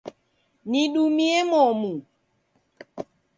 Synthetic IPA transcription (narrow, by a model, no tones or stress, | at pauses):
niɗumiɛmɔmu